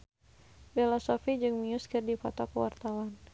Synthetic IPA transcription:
belasɔfid͡ʒɨŋmiuskɨrdifɔ̰t̪ɔkəwa̰rt̪awan

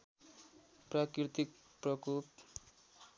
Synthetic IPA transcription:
prakit̪ik̚ | prʌkup

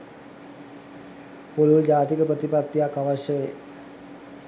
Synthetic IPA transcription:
poluld͡ʑaːt̪ikəpɾət̪ipat̪ːijakːaʋaʃjəʋe

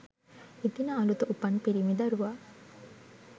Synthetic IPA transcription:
it̪inəɐlut̪uʔupɐnpiɾimid̪ɐɾuʋaː

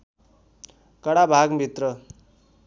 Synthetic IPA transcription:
kʌɽabʱaɡmʱit̪rʌ

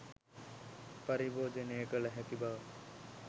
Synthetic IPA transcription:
pəɾiboːd͡ʒeːneːkəlɦek̪ibaː

